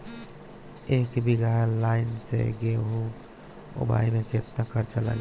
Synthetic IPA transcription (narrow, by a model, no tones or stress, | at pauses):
ekbiɡalaɪnsḛɡeɦu | o̰ba̰jmẽket̪nəkəɾt͡ʃəla̰l